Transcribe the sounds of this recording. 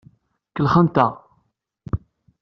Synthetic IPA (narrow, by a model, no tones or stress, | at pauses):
kəlχənt̪a